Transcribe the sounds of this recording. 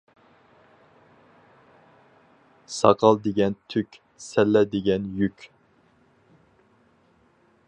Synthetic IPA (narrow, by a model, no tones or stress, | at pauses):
sɑ̰qʰɑlˠd̪eɡʲɛnt̪ʰykʲ | sɛlːɛd̪ɪɡʲɛnjykʲ